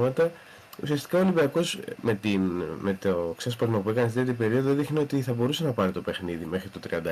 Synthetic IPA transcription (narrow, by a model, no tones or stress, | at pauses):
mɐt̪ɐ | ṵsiɐst̪i̥kɐolibiɐko̞smet̪inmet̪oksɐspɐɾmɐpue̞kɐnɐst̪it̪̬ʲjipe̞ɾio̞ðoðixneot̪iθɐbo̞ɾuse̞nɐpɐɾit̪ope̞xniðime̞xɾit̪ot̪ɾiɐnd̪ɐ